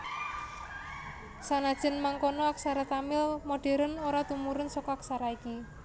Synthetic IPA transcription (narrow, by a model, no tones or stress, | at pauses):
sanad̥ʒ̥ə̤nmaŋkonɔak̚saɾat̪amɪlmoɖ̥e̤ɾənoɾat̪umuɾʊnsɔkɔaksaɾaiki